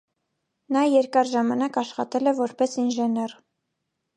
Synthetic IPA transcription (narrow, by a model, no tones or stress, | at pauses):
nɑjɛɾkɑɾʒɑmɑnɑkɑʃχɑ̰t̪ɛlɛvɔɾpɛsinʒɛnɛr